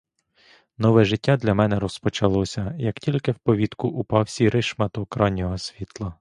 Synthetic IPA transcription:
nɔʋɛʒɪtʲːad̪lʲɐmɛnɛɾɔspɔt͡ʃɐlˠɔsʲɐjɐktʲilʲkɪwpɔʋʲit̪kʊʔupɑwsʲiɾɪʃmɐt̪ɔːkɾɑnʲːɔɦɔsʲʋʲit̪lˠɐ

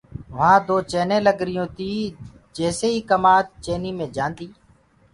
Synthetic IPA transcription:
ʋ̤ãːd̪oːt͡ʃeːnẽːləɡɾɪjõːt̪iː | d͡ʒeːseːiːkəmaːt̪̚t͡ʃeːniːmẽːd͡ʒãːnd̪iː

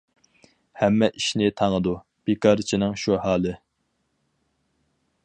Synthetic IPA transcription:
hɛmːɛʔiʃnɪt̪ʰɑŋəd̪u | b̥ekʰɑɾt͡ʃʰinɪŋʃuhɑːlˠɨ

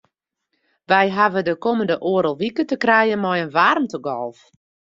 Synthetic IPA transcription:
ʋɛjɦavədəkoməndəʔoəɾəlˠʋikətəkrɛjənmɔjənʋarmtəɡɔ̰lˠf

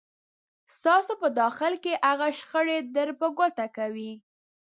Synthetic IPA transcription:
st̪ɑsopəd̪ɑxɪlkeʔaɣaʃxəɽed̪əɾpəɡot̪akawi

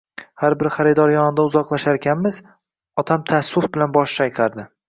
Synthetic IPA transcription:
haɾbɪɾχaɾɪd̪ɒɾjɒnɪd̪aʊzɒqlˠaʃaɾkʲanmɪz̥ | ɒt̪ʰamt̪ʰasːʊfbɪlanbɒʃt͡ʃʰajqʰɑɾd̪ɪ

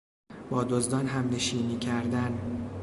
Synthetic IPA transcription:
b̥ɒːd̪ozd̪ɒːnɦæmneʃiːniːcʰæɾd̪æn

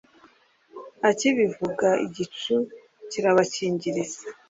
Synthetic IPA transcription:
aciβivuɡaḭɟitu | ciɾaβaciːɲɟiɾiza

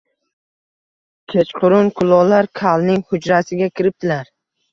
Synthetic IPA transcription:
kʲʰet͡ʃqʰʊɾʊnkʰʊlˠɒlaɾkʲʰalˠnɪŋhʊd͡ʒɾasɪɡʲakʲʰɪɾɪp̚t̪ʰɪlaɾ

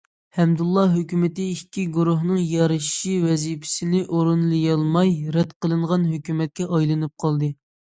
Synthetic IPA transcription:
hɛmd̪ulˠːɑɦøkʲymɪt̪ɪikʲʰːiɡuɾuɦnɨŋjɑɾɨʃʃiwɛzipʰɪ̥sɪnɪʔoɾunlˠɨjɑlˠmɑjɾɛd̪qəlˠɨɴʁɑnɦøkʲymɛt̪̚kʲɛʔɑjlˠɨnɨp̚qʰɑlˠd̪ɨ

